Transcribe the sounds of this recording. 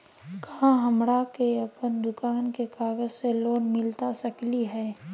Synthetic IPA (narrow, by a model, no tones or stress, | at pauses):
kɐɦãɦɐmɽakeɐpənd̪ʊkaːnkekaːɡəzseloːnmɪlt̪asɐkliɦɛː